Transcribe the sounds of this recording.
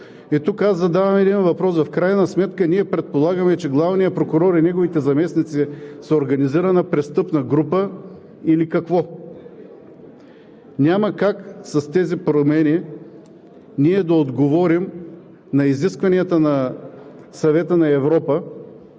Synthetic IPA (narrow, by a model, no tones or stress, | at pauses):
it̪ukazɐd̪avɐmɛd̪invɐpɾɔsvɐfkɾajnɐsmɛt̪kəniɛpɾɛt̪̚polˠaɡəmɛt͡ʃɛɡlˠavnijəpɾokʊɾɔɾinɛɡovit̪ɛzɐmɛsnit̪sisɛoɾɡɐniziɾənɐpɾɛst̪ɤpnɐɡɾupə | ilikɐkvɔ | nʲaməkaksɐst̪ɛzipɾomɛni | niɛd̪ɐod̪ɡovɔɾim | nɐiziskvɐniɐt̪ənɐ | sɐvɛt̪ənɐɛvɾɔpə